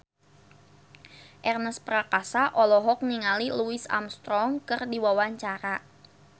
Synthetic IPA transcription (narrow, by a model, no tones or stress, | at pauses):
ʔɛrnəspɾakasaʔɔlɔɦɔk̚niŋaliluɪsa̰mst̪ɾɔŋkɨrdiwawaɲt͡ʃaɾa